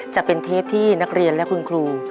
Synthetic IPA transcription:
t͡ɕa˨˩pe˧nt̪ʰeː˥˩p̚t̪ʰiː˥˩na˦˥k̚ɾi˧ənlɛ˦˥kʰu˧nkʰluː˧

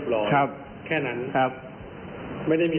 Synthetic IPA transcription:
plɔː˧˩kʰɾa˦˥p̚ | kʰɛː˥˩na˦˥nkʰa˦˥p̚ | ma˥˩jda˥˩jmiː˧

